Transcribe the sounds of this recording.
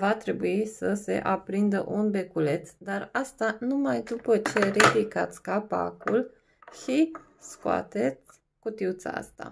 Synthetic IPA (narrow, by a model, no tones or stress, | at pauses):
vat̪ɾe̞buisəse̞̰ʔapɾind̪ə̰ʔunbe̞kule̞t̪sd̪arast̪anumajd̪upət͡ʃe̞riplikat̪sʲkapa̰kul | ʃi | skoa̰t̪e̞t̪sʲ | kut̪iut̪sa̰a̰st̪a̰